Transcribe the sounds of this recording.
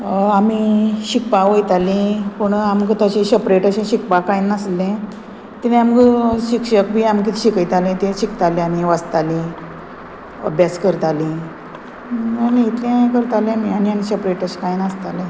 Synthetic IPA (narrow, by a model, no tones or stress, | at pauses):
amiɕikpaʋəjt̪alĩpuɳamɡt̪at͡ɕẽɕəpɾeʈəɕẽɕik̚pakajnəslẽ | t̪inẽamkəɕikɕək̚bʱiːamkit̪ɕikəjt̪alẽt̪eɕikt̪alẽaniʋəst̪alĩ | ə̰bjaskəɾt̪alĩ | əniit̪lẽkəɾt̪alemianianisəpɾeʈəɕkajnast̪alẽ